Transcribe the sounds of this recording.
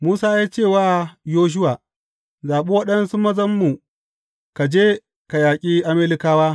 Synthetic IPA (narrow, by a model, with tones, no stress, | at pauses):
muː˦saː˦ja˦t͡ʃeː˦˨waː˦joː˦ʃ̬ʊ˦waː˨ | zaː˨ɓe˦wɐ˦ɗɐ˦nsu˦mɐ˦zɐ˦mːu˨ | ka˨d͡ʒeː˦ | ka˨jaː˨kʲʼiː˦ʔa˦me˦lɪ˦kaː˦waː˦